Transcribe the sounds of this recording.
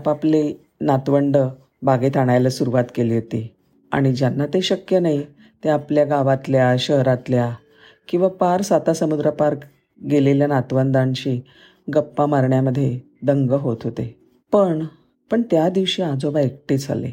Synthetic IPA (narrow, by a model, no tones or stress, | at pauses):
papli | nat̪ʋəɳɖə | baɡet̪ʰaɽ̃ajləsuɾuʋat̪keliːɦot̪iː | a̰ɽ̃id͡ʑjanːat̪eɕəkjənai | t̪eapljaɡaʋat̪ljaɕəɦɾat̪lja | kĩw̃ʋapaɾsat̪asəmud̪ɾəpaɾk | ɡeleljanat̪ʋənd̪ãnt͡ɕiː | ɡəpːamaɾɳjaməd̪ʱːje | d̪əŋɡəɦot̪ɦot̪e | pəɳ | pəɳt̪jad̪iʋɕiːad͡zoʋaek̚ʈed͡za̰lḛ